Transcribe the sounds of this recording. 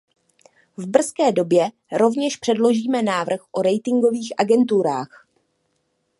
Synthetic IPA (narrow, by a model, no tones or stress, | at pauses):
vbr̩skɛːdo̞bjɛ | ɾo̞vɲɛʃpr̝̥ɛdlo̞ʒiːmɛnaːvr̩xʔo̞ɾɛjt̪ɪŋɡo̞viːxʔaɡɛnt̪uɾaːx